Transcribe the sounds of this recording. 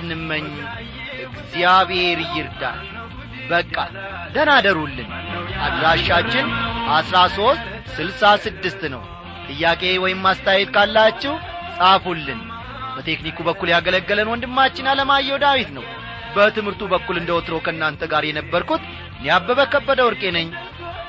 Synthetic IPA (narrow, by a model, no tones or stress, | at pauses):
nɨmːəɲː | ʔɨɡziaβhe̞ɾjɪɾd̪a̰ | bəkʼːa̰ | d̪ənad̪əɾulːɨnʔad̪laʃat͡ʃːɪnʔasɾaso̞st̪ | sɨlsasɨd̪ːɨst̪nəw | t̪ʼɨjːakʼe̞wɔjɪmːast̪ʰajɛt̪kʰalːat͡ʃːɛw | sʼafulːɨn | bət̪ʰe̞knikubəkːuljaɡələɡːələnwɔnd̪ɨmːat͡ʃːɪnːaləmajːɛwd̪awit̪nəw | bət̪ʰɨmhɨɾt̪ʰubəkːulɨnd̪əot̪ɨɾo̞kʰəɨnːant̪ʰəɡaɾjɛnəbːəɾkut̪ | njabːəβəkəbːəd̪əwɾkʼe̞nəɲː